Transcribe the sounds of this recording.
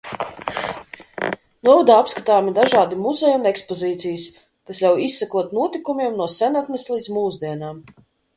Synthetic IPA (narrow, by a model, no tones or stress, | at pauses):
nuɔvad̪aːapskat̪aːmid̪aʒaːd̪imuzejunekspɔziːt̪sijɨs | kaslʲawisːakuɔt̪nuɔt̪ikumʲiɛmnuɔsɛnat̪nɛslˠid̪zmuːzd̪iɛnaːm